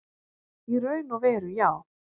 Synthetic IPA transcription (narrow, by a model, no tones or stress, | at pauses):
iɾœɥnɔvɛːɾʏjaːw